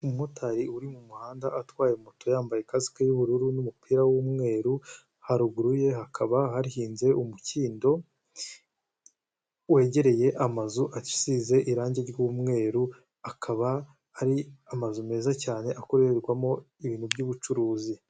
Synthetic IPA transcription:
umotʰaɾiuɾimumuhaːndaʔatwaːjemuto̞jaːmbajekazi̥kejuβuɾuɾunumupiːɾawumŋe̞ːɾu | haɾuɡuɾuje̞hakʰaβaɦaɾihiːnze̞ʔumuciːndo̞ | we̞ːɟe̞ɾe̞je̞ʔamazuʔaci̥size̞ʔiɾaːɲɟeɾɟumŋe̞ːɾu | akʰaβaː | ɾiamazume̞ːzacaːne̞ʔako̞ɾeɾɡwamo̞ | iβiːnhubɟuːβut͡ʃuɾuːzi

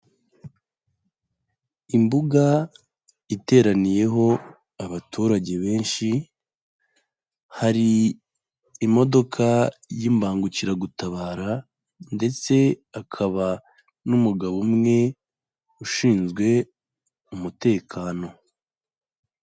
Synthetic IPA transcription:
imbuɡa | ite̞ːɾanije̞ɦo̞ | aβatʰuːɾaɟe̞βe̞ːnʃi | haɾiː | mo̞do̞kʰajimbaːŋɡuciɾaɡutaβaːɾa | nde̞t͡se̞akʰaβa | numuɡaβumŋe̞ | uʃiːnzɡwe̞ | umute̞ːkʰaːno̞

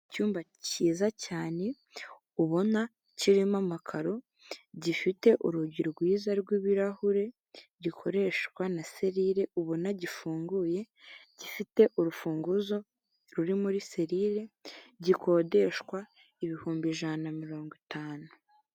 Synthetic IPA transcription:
cuːmba | ciːzacaːne̞ | uβo̞na | ciɾimamakʰaɾo̞ | ɟifite̞ʔuɾuɟiɾɡwiːzaɾɡwiːβiɾahuɾe̞ | ɟikʰo̞ɾe̞ʃkwanase̞ɾiɾe̞uβo̞naɟifuːŋɡuːje̞ | ɟifite̞ʔuɾufuːŋɡuzo̞ | ɾuɾimuɾise̞ɾiɾe̞ɟikʰo̞ːde̞ʃwa | iβihuːmbiʒanamiɾo̞ːŋɡitaːnu

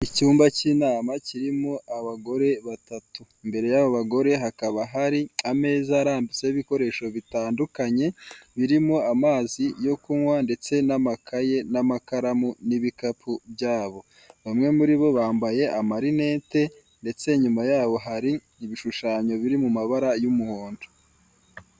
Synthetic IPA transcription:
icuːmbaciːnaːmaciɾimoʔaβaɡo̞ɾe̞βatatuimbe̞ɾe̞jaβoβaɡo̞ɾe̞ɦakaβaɦaɾiame̞ːzaːɾaːndut͡seiβiko̞ɾe̞ʃo̞βitaːndukaɲe̞βiɾimoamaːzijo̞kuŋwande̞t͡se̞namakʰaje̞namakaɾamuniβikapʰubjaːβo̞ | βamŋe̞muɾiβo̞βaːmbaje̞ʔamaɾine̞ːte̞ | nde̞t͡se̞ɲumajaːβo̞ɦaɾi | iβiʃuʃaːɲo̞βiɾimumaβaɾajumuhoːndo

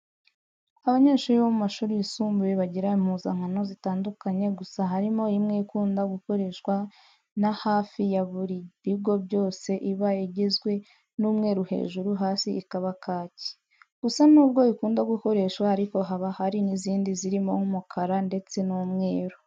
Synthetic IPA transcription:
aβaɲe̞ːʃuːɾiβomumaʃuːɾijisuːmbujeβaɟiɾaim̥huːzaŋ̥ano̞zitaːndukaɲe̞ɡusaɦaɾimo̞imŋeikuːndaɡuko̞ɾe̞ʃkwa | nahaːfijaβuɾiβib̚ɡo̞bɟo̞ːse̞ʔiβajeɟezɡwe̞ | nuːmŋe̞ːɾuhe̞̰ːʒuɾuɦaːsiʔːkaβakʰaːci̥ | ɡ̥usanuːb̚ɡo̞ikuːndaɡuko̞ɾe̞ʃwaaɾiko̞ɦaβahaɾiniziːndiziɾimo̞ŋumukʰaɾande̞t͡se̞nuːmŋe̞ːɾu

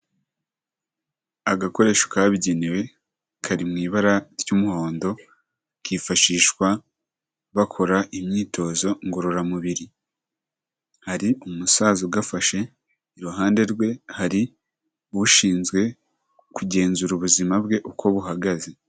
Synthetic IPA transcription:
aɡako̞ɾe̞ːʃokaːβiɟe̞newe̞ | kʰaɾimŋiːβaɾaɾɟumuho̞ːndo̞ | kʰifaʃiːʃkwa | βakʰo̞ɾaʔimɲiːtʰo̞ːzo̞ŋɡo̞ɾo̞ɾamuβiɾi | haɾiʔumusaːzuɡafaʃe̞ | iɾuɦaːnde̞ɾɡwe̞haɾi | βuʃiːnzɡwe̞ | kuɟe̞ːnzuɾuβuzimabɡe̞ʔukʰo̞βuɦaɡaze̞

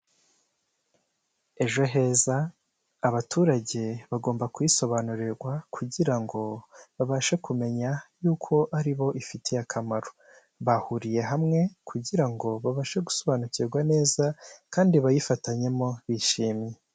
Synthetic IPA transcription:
e̞ʒo̞ɦe̞zaː | βatʰuːɾaɟe̞βaɡo̞ːmbakujiso̞βanuɾiɾɡwakʰuɟiɾaŋɡo̞βaβaːʃekume̞ɲajuːkʰo̞ʔaɾiβo̞ʔifitʰejakʰamaɾo | βahuɾije̞ɦamŋe̞kʰuɟiɾaŋɡo̞βaβaːʃeɡu̥so̞βaːnuciɾɡwane̞ːzakaːndiβajifataɲe̞mo̞βiʃiːmɲe

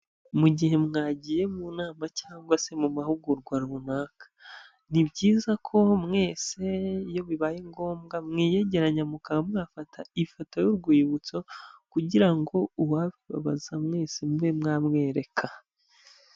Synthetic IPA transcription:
muɟihe̞mŋaːɟije̞munaːmacaːŋɡwase̞mumahuɡuɾɡwaɾuunaːkḁ | nibɟiːzakʰo̞mŋe̞ːse̞jo̞βiβaːjeŋɡo̞ːmɡamŋiːje̞ɟe̞ɾaɲamukaŋamŋaːfatʰaifatajuɾɡwiːβut͡so̞kuɟiɾaŋɡo̞uwaβiβa̰βazamŋe̞ːsemuβemŋaːmŋe̞ːɾe̞kʰa

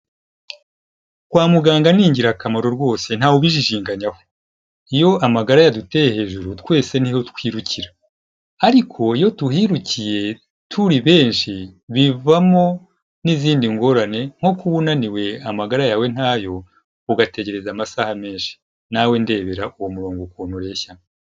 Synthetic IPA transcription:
kwaːmuɡaːŋɡaniːɲɟiɾakamaɾo̞ɾɡwo̞ːse̞n̥aːwuβiʒiʒiːŋɡaɲaho̥ | ijo̞ʔamaɡaɾajadute̞jehe̞ːʒuɾutwe̞ːse̞niho̞tkwiːɾuciɾa | aɾikʰo̞ijo̞tuhiɾucije̞ | tʰuɾiβe̞ːnʃiβivamo̞ | niziːndiŋɡo̞ɾane̞ŋ̥ho̞kuβunaniwe̞amaɡaɾajaːwe̞n̥haːjo̞ | uɡate̞ɟe̞ɾe̞zamasaːhame̞ːnʃi̥ | nawe̞nde̞ːβe̞ɾaʔuwomuɾoːŋɡokuːnoɾe̞ça

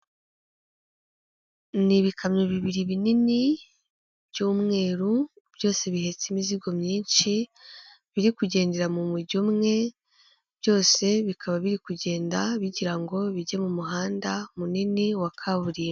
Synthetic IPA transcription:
niβikʰamɲoβiβiɾiβinini | bɟuːmŋe̞ːɾu | b̥jo̞ːse̞βihe̞t͡simiziɡo̞mɲiːnʃi | βiɾikuɟe̞ːnde̞ɾamumuɟumŋe̞ | b̥jo̞ːse̞βikʰaβaβiɾikuɟe̞ːndaβiɟiɾaŋɡo̞βiɟemumuɦaːndamuniniwakʰaβuɾim

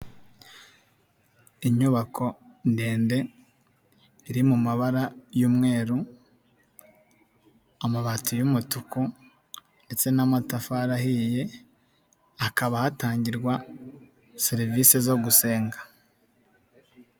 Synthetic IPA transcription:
iɲuβakʰo̞ | nde̞ːnde̞ | iɾimumaβaɾajuːmŋe̞ːɾu | amaβatujumutuku | nde̞t͡se̞namatafaɾahije̞ | akaβahataːɲɟiɾɡwa | seɾivisezo̞ɡuse̞ːŋɡḁ

